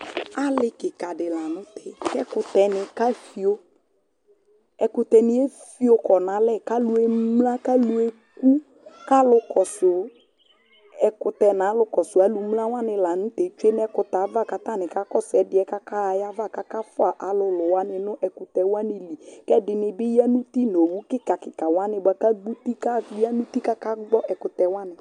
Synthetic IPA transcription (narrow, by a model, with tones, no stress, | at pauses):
a˦lɪ˦kɪ˨ka˨dɪ˨la˨nʊ̃˦tʰɛ˨kɛ˦kʊ˨t̪ɛ˨nɪ˨ka˦fi˨o˦ | ɛ˨kʊ˨t̪ɛ˨nɪ˦e˦fi˦o˦kɔ˨nã˨˦lɛ˦˨ka˦lʊ˨e˨mla˦ka˦lu˦ɛ˦ | ku˦ | ka˦lʊ˦kɔ˨sʊ˨˦ | ɛ˨kʊ˨tɛ˨na˨˦lʊ˦kɔ˨sʊ˨a˨lu˨˦mla˦wa˦nɪ˨la˨nʊ˦te˨t͡ʃwe˦n˦ɛ˦kʊ˨ta˨˦va˦˨ka˨ta˦˨nɪ˨ka˦kɔ˦sɛ˨˦dɪ˨ɛ˦ka˦ka˦˨ja˦va˦˨ka˦ka˦fʊ˦a˨ʔa˨lʊ˨lʊ˨wa˦nɪ˨nʊ˦ʔɛ˨kʊ˨tɛ˨wa˦nɪ˨li˨kɛ˦dɪ˨nɪ˨bɪ˦ja˦nu˦ti˦no˨wu˦kɪ˦ka˨kɪ˨ka˨wa˦nɪ˨ba˨ka˦ɡ͡bu˦ti˦ka˦ja˦nu˦ti˦ka˦ka˦ɡ͡bɔ˦ʔɛ˨kʊ˨tɛ˨wa˦nɪ˨